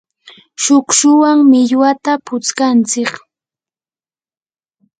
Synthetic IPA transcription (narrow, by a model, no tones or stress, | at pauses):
ʃʊkʃʊwaŋmɪʎwat̪apʊt͡skant͡sɪk